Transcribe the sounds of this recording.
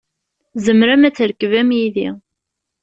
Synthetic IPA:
zəmɾæmæt͡sːəɾkːəvæmjiði

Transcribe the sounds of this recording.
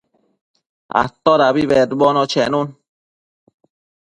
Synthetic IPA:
a̰t̪ːɔɾaβiβɛd̪bɔnɔt͡ʃʰɛnun

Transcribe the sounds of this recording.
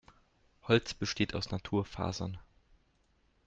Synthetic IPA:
hɔlt͡sb̥əʃteːtʰaʊsnatʰuːɐfa̰ːzɐ̰n

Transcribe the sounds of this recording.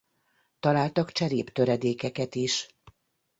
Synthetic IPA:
t̪ɒlaːlt̪ɒkt͡ʃɛɾeːpt̪øɾɛd̪eːkɛkɛt̪iʃ

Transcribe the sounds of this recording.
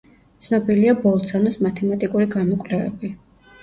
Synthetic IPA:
t̪sʰnɔbiliabɔlˠt̪sʰanɔsmat̪ʰɛmat̪ʼikʼuɾiɡamɔkʼlɛvɛ̰bi

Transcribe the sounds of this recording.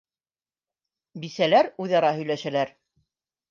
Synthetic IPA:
bisælæɾʉðɑɾɑɦɵ̆jlæʃælæɾ

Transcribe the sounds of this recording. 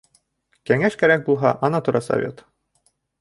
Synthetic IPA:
kæŋæʃkæɾæk̚bulˠɦɑʔɑnɑt̪uɾɑsɐ̰vʲet̪

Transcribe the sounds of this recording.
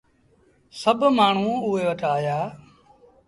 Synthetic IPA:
səbʱmaːɳ̤ũːʊeːʋəʈʰaːjaː

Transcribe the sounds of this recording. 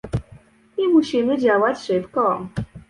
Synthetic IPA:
imuɕimɘd͡ʑawat͡ɕʂɘpkɔ

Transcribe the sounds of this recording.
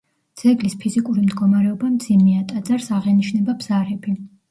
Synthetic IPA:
d̪z̥ɛɡlispʰizikʼuɾimd̪ɡɔmaɾɛɔbamd̪z̥imiat̪ʼad̪zaɾsaʁɛniʃnɛbabz̥aɾɛbi

